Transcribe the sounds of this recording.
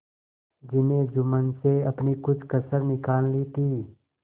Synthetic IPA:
d͡ʒɪnẽd͡ʒʊmənseɐpnikʊt͡ʃʰkəsəɾnɪkaːllit̪ʰiː

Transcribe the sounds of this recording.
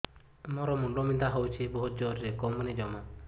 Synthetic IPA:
mɔɾɔmuɳɖɔmind̪aɦɔwt͡ʃʰibɔɦut̪̚d͡ʒɔɾɾekɔmunid͡ʒɔma

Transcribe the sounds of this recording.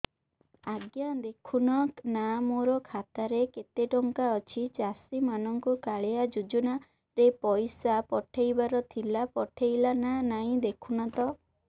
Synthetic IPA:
aɡjad̪ekʰunɔknamoɾɔkʰat̪aɾeket̪eʈɔŋkaɔt͡ʃʰit͡ʃasimanɔŋkukaɭead͡ʒud͡ʒuna | ɾepɔjsapɔʈʰejbaɾɔt̪ʰilapɔʈʰejlananaĩd̪ekʰunat̪ɔ

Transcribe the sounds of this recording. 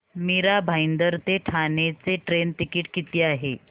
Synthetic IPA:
miɾabʱajnd̪əɾt̪eʈʰanet͡seʈɾent̪ikiːʈkit̪iːaɦe

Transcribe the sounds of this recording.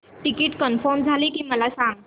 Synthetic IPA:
ʈikiːʈkənfəɾmd͡zʱaliːkiːməlasãŋɡ

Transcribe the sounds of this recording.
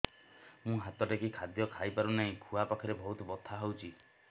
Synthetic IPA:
mũɦat̪ɔʈekikʰad̪jɔkʰajpaɾunaɦĩkʰuapakʰɔɾebɔɦut̪ɔbɔt̪ʰːaɦowt͡ʃʰi

